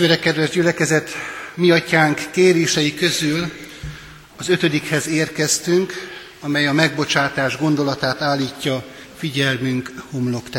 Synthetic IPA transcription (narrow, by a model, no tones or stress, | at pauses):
øːɾɛkɛd̪ʋɛʒɟylɛkɛzɛt̪miɒcaːŋkːeːɾeːʃɛjikø̞zyl | ɒzø̞t̪ø̞d̪ikhɛzeːrkɛst̪yŋk | ɒmɛjɒmɛɡ̚bo̞t͡ʃaːt̪aːʒɡo̞n̪d̪o̞lɒt̪aːt̪aːlːiːcːɒ | fiɟɛlmyŋkhomlo̞kt̪ɛ